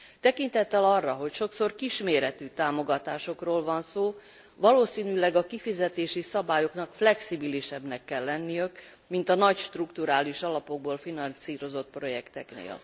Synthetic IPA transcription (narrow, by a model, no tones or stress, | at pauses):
t̪ɛkint̪ɛt̪ːɛlɒrːɒɦo̞cʃo̞kso̞rkiʃmeːɾɛt̪yːt̪aːmo̞ɡɒt̪aːʃo̞kroːlvɒnsoː | vɒloːsiːnylɛɡɒkifizɛt̪eːʃisɒbaːjo̞knɒkflɛksibiliʃɛbnɛkːɛlːɛnːijøk | mint̪ɒnɒcʃt̪rukt̪uɾaːliʃɒlɒpo̞ɡ̚boːlfinɒnsiːɾo̞zo̞t̪̚pro̞jɛkt̪ɛknḛːl